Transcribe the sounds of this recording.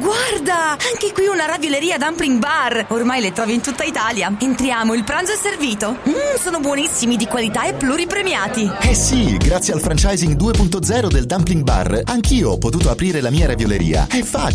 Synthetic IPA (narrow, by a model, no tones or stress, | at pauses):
ɡward̪aaŋkekwiunaɾavjoleɾiːad̪ampliŋɡbarormajlet̪ɾɔːvint̪ut̪ːait̪aːljaent̪ɾjaːmoilpɾanzoɛsːerviːt̪osoːnobwɔnisːimid̪ikwalit̪aepːlurːipɾemjaːt̪iɛsiɡɾat̪sːjealfɾant͡ʃajziŋd̪uːepunt̪od̪zɛːɾod̪eld̪ampliŋɡba̰raŋkiːoɔpːot̪uːt̪oapɾiːɾelamiːaɾavjoleɾḭːa̰ɛfːaː